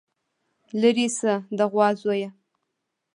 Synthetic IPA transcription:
ləɾisəd̪əʁwɑzwoja

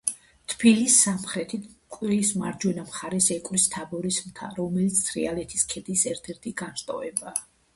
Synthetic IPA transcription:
t̪ʰbilisamχɾɛt̪ʰit̪ʰkʼwɛismaɾd͡ʒwɛnamχaɾɛsɛkʼwɾist̪ʰabɔɾismt̪ʰa̰ɾɔmɛlit̪sʰt̪ʰɾḭalɛt̪ʰiskʰɛd̪isɛɾt̪ʰɛɾt̪ʰiɡ̥anʃt̪ʼɔ̰vɛbaː

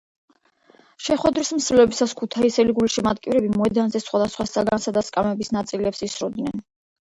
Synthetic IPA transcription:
ʃɛχwɛd̪ɾism̩slɛbisaskʰut̪ʰaisɛliɡuliʃimat̪kʼivɾɛbimɔɛd̪anzɛsχwad̪asχwasaɡansad̪askʼamɛbisnat̪sʼilɛpsisɾɔd̪nɛn

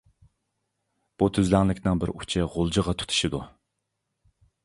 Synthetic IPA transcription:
b̥ut̪ʰøzlæŋlˠɪkʲnɪŋbɪɾut͡ʃʰɪʁolˠd͡ʒəʁɑt̪ʰu̥t̪ʰu̥ʃɪd̪u

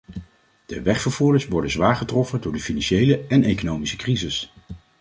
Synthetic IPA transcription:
d̥əʋɛχfəɹv̥uːɹdəsʋɔɹdənzʋaːɹχətrɔfəndʊːɹdəfinɑnʃejləɛnejkonowmisə̥krizɪs

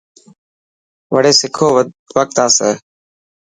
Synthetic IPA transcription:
ʋəɽeːsɪkʰoː | ʋək̚t̪aːsɛː

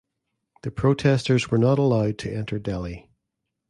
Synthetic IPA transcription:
ðəpʰɹ̥otʰɛstə˞zwə˞nəɾəlˠaʊd̚tʰəʔɛ̃ntʰə˞dɛlˠi

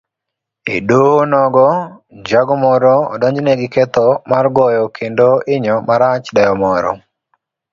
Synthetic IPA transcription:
edonɔɡɔd͡ʒaɡɔmɔɾɔɔ̰dɔɲd͡ʒnɛɡɪkɛt̪ɔmarɡɔjɔkʰendoɪɲɔmaɾat͡ʃdɛjɔmɔɾɔ̰

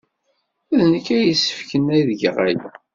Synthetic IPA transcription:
æðnəkæjəsə̥fkənæjðəɡʁæj

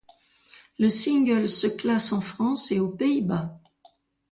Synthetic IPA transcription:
ləsĩŋɡəlsəklasɑ̃fχɑ̃seopeiba

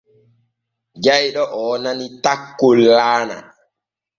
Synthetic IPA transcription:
d͡ʒajɗɔʔɔːnanitakːolːaːna̰

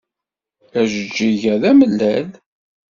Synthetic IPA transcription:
æʒəd͡ʒːiʝæðæməlːæl

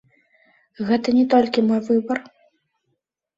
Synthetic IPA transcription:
ɣɛt̪ɐnʲɛt̪ɔlʲkʲimɔjvɨbɐr

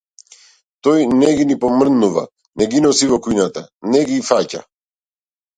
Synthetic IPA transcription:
t̪ɔjnɛɡinipɔmr̩nuva̰ | nɛɡinɔsivɔkuinat̪anɛɡifaca̰

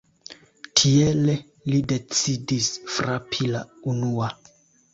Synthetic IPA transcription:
tʰiele | lide̞t͡sidisfɾapʰilaunua

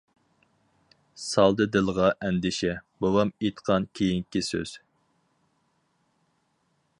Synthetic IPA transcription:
sɑlˠd̪ɨd̪ɨlˠʁɑʔɛnd̪ɪʃɛbowɑmet̪qʰɑnkʲʰejiŋkʲisø̰z̥

